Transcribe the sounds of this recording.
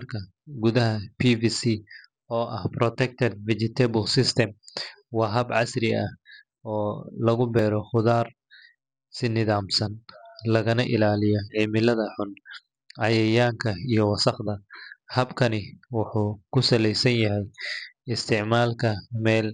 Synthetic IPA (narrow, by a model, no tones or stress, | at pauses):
mɐrkʰɐ | ɡʊðɐɦɐpʰiːviːsi | ɔːʔɐhprɔt̪ʰɛk̚t̪ʰɛd̪̚vɪt͡ʃɪt̪ʰɛbʊlsɪst̪ʰɛmwɑːɦɐbʕɑsrɪɐh | ɔːlɐɣʊbɛːɾɔχʊðaːr | sɪnɪðaːmsɐnlɐɣɐnɐʔɪlaːlɪjɔʕɪmɪlɐðɐħʊn | ʔɐjɛjaːŋkʰɐijɞwɑsɑqd̪ɐhɐbkʰɐnɪwʊħuːkʰʊsɐlɛjsɐnjɐɦɛjɪst̪ʰɪʕmaːlkʰɐmɛːl